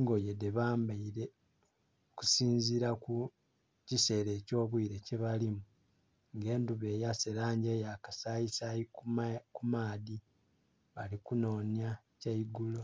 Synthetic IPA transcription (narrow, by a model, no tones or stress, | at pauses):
ŋɡojedeβaːmbaiɾe | ku̥siːnziɾaku | cise̞ɾe̞ːco̞ːβwiːɾe̞ceβalimu | ŋɡe̞ːnduβe̞ːjaseɾaːɲɟejakasajisaikumaːdi | βalikuno̞ːnja | caiɡulo